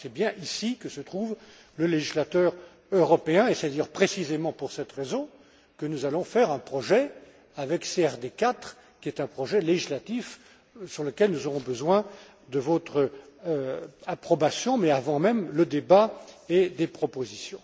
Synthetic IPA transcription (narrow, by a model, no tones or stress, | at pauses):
sɛbjɛ̃ʔisikəsət̪χuv | ləleʒislat̪œːʁ | øʁɔpeɛ̃esɛtd̪ajœʁpχesizemɑ̃puʁsɛt̪ʁezɔ̃ | kənuzalɔ̃fɛʁɛ̃pχɔʒɛ | avɛkseɛʁd̪ekat̪χ | kʲiɛt̪ɛ̃pχɔʒɛleʒislat̪if | syʁləkʲɛlnuzɔʁɔ̃bəzwɛ̃ | d̪əvɔt̪χə | apχɔbasjɔ̃mɛavɑ̃mɛmləd̪ebaed̪epχɔpozisjɔ̃